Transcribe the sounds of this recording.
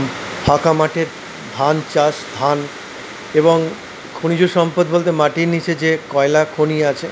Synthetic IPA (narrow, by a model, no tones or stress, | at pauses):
bʱakamaʈeɾ | bʱant͡ɕaʃd̪ʱan | eboŋ | kʰonid͡ʑuɾʃɔmpod̪̚bolt̪̬emaʈiɾnit͡ɕʰed͡ʑekɔelakʰoniat͡ɕʰe